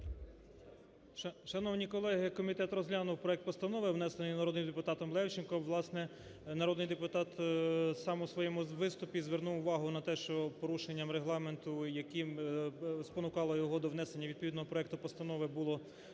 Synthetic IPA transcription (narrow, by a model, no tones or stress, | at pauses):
ʃɐnɔwnʲikɔlˠɛɦɪkɔmʲit̪ɛt̪rɔzʲlʲɑnɔwpɾɔɛk̚t̪pɔst̪ɐnɔʋɪwnɛsenɪjnɐɾɔd̪nɪmd̪epʊt̪ɑt̪ɔmlˠɛwt͡ʃɪnkɔmʋlˠɑsnɛ | nɐɾɔd̪nɪjd̪epʊt̪ɑt̪sɑmʊsʋɔjɛmʊʋɪst̪ʊpʲizʋernuwʊʋɑɦʊnɐt̪ɛʃt͡ʃɔpɔɾuʃenʲːɐmɾeɦlˠɑment̪ʊjɐkim | spɔnʊkɑlˠɔjɔɦɔd̪ɔʋnɛsenʲːɐʋʲid̪̚pɔʋʲid̪nɔɦɔpɾɔɛk̚t̪ʊpɔst̪ɐnɔʋɪbʊlˠɔ